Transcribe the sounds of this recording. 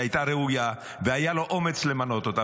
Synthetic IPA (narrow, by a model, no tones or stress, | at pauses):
ajt̪aɾeuja | veajaloʔomet͡slemanot̪ot̪a